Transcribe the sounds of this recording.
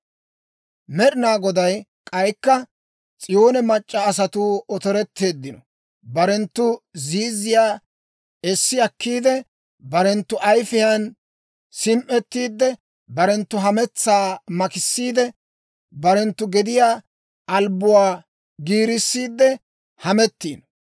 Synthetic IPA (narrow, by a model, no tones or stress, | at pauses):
mɛɗɪnaːɡɔd̪ɐj | kʼɐjkːɐ | t͡sʼɪjo̞ːnɛmɐt͡ʃʼːɐːs̬ɐt̪ʊɔt̪ɔɾɛt̪ːe̞ːd̪ːɪnɔ | bɐɾɛnt̪ːʊziːzɪjaː | ɛsːɪɐkːiːd̪ɛ | bɐɾɛnt̪ːʊʔɐjfɪjɐn | sɪmʔɛt̪ːiːd̪ːɛ | bɐɾɛnt̪ːʊɦɐmɛt͡sːaːmɐkɪsːiːd̪ɛ | bɐɾɛnt̪ːʊɡɛd̪ɪjaː | ʔɐlbʊwaː | ɡiːɾɪsːiːd̪ːɛ | hɐmɛt̪ːiːnɔ